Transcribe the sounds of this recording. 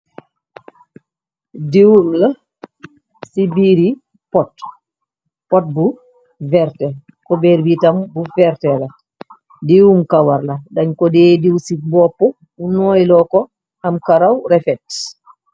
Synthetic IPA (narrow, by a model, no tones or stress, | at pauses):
diwumla | sibiɾi | pɔt | pɔt̚bu | vɛɾtɛ | kɔbɛɾbitambufɛɾtɛla | diwumkawaɾladaɲkɔdeːdiwsibɔpːɔ | unɔjlɔkɔ | hamkaɾawɾɛfɛt